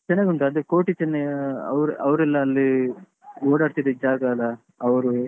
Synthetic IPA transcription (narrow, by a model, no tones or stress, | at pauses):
t͡ʃɛnːɐɡuɳʈɐɐd̪ukoːʈit͡ʃɛnːɐɡɐ̰ʋɾʔɐʋɾɛlːɐːlːi | oːɽaːɽt̪id̪ed͡ʒaːɡɐɡɐ | ɐʋɾu